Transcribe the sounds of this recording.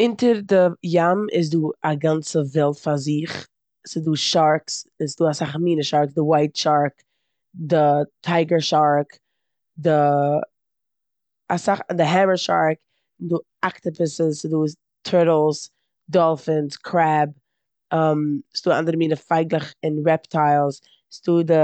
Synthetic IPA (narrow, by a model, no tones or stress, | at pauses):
ɪntəɾdəjamɪ̰s̬duːaɡant͡səvɛlˠtfazɪχ | sɪduːʃaɾksɪsduːasaχmiːnəʃaɾksdɪwaɪtʃaɹk | dɪtʰaɪɡəɹʃaɹk | dɪ | asaχdɪɦɛmə˞ʃa̰ɹk | duː | aktəpɪsəsːɪduː | tʰɜɹɾl̩ˠs | dɔlˠfɪnskʰɾɛb | ɛmsd̥uːa̰ndəɾəmiːnəfaɪɡlˠəχɪnɾɛptʰaɪlˠs | sɪduːdɪ